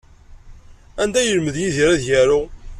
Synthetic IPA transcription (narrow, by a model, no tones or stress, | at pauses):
ænd̪æjəlməðjiðiɾæðçæɾʊ